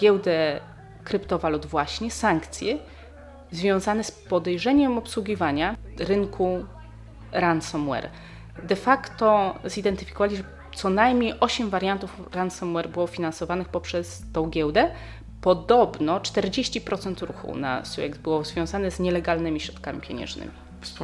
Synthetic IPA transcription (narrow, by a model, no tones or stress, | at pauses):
ɡʲjɛwd̪ɛ | kɾɘpt̪ɔvalud̪vwaɕɲɛsaŋkt̪sʲjɛ | zvʲjɔ̃w̃zanɛspɔd̪ɛjʐɛɲɛmɔpswuɡʲivaɲaɾɘŋkʰu | ɾansɔmwɛ̰ɾ | d̪ɛfakt̪ɔzid̪ɛnt̪ɘfʲi̥kɔvalʲiʒ | t̪sɔnajmɲejʔɔɕɛmvaɾʲjant̪ufɾansɔmwɛɾbɘwɔfʲinansɔvanɘxpɔpʂɛst̪ɔ̃w̃ɡʲɛwd̪ɛ | pɔd̪ɔbnɔt͡ʂt̪ɛɾd͡ʑeɕt͡ɕipɾʔɔt̪sɛnt̪ɾṵxṵna̰sṵjɛ̰kd̪bɘwɔzvʲjɔ̃w̃zanɛzɲɛlɛɡalnɘmʲiɕɾɔt̪kamʲipʲjḛɲɛ̰̃ʐnɘ̰mʲi